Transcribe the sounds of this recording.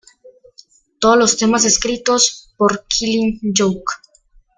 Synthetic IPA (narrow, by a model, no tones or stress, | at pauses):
t̪oolost̪emas̬eskɾit̪ospoɾkʰilind͡ʒowk